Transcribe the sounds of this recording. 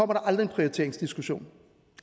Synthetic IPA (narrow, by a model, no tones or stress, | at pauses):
ɒ̽m̰ɐɾɑ̈ʔɑ̈ld̥ʁie̝npʰʁioit͡sʰe̝ɐeŋsd̥isɡ̥uɕo̝̰ːn